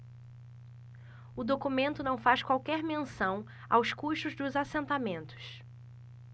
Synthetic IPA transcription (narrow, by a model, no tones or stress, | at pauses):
ʊd̪okumẽnt̪ʊnɐ̃w̃faskwawkɛɾmẽsɐ̃w̃ | awskuʃt̪ʊzd̪ʊzasẽnt̪amẽnt̪ʊ̥s